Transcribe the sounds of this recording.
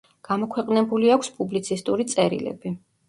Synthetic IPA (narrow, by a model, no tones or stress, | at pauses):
ɡ̥amɔkʰwɛqʼnɛbuliakʰspʼublit̪sʰist̪ʼuɾit̪sʼɛɾḭlɛ̰bi